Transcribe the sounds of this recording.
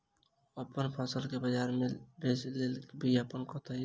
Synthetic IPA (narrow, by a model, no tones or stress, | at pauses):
ɔpənpʰasəlkebəd͡ʒaɾmebeslelbʱiapənkɔt̪ʰɔi